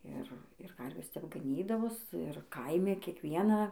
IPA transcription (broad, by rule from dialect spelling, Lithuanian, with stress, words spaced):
ˈɪr ɪr ˈkɐrʲʋʲeːs tʲɛp ɡɐˈnʲiːdɐʋoːs ɪr ˈkɐɪmʲɪ kʲiɛkˈʋʲiɛnɑː